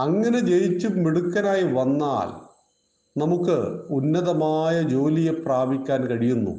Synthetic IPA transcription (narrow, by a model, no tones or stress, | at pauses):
ɐŋːɐne̞t͡ɕe̞jit͡ɕːumːiɽukːɐnaːjiʋɐnːa̰ːl | nɐmukːɨ̰unːɐðɐmaːjɐd͡ʑo̞ːlije̞praːbʱikʲːaːnkɐɻijunːṵ